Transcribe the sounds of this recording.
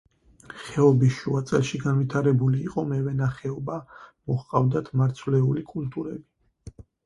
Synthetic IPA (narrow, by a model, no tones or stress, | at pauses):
χɛɔbiʃuat̪sʼɛ̰lˠʃiɡanvit̪ʰaɾɛbuliːqʼɔmɛvɛnaχɛɔbamɔhqʼavd̪at̪ʰmaɾt̪sʰwlɛulikʼult̪ʼuɾɛbi